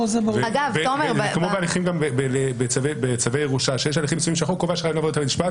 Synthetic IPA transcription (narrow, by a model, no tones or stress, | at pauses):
ozemaaɡavbemekmobealiχimɡambebelebet͡savebet͡savejeʁuʃaʃejeʃaliχimsuimʃeaχukovaʃʁainlavod̪et̪amiʃpat̪